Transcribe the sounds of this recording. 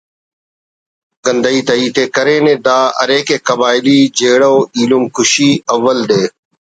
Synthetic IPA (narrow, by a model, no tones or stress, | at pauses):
ɡənd̪əiːt̪ɐiːt̪eːkɐɾẽːnẽːd̪aːɐ̰ɾeːkeːkɐbaːɪliːd͡ʒeːɽoːiːlumkʰʊʃiːɐʋːəld̪eː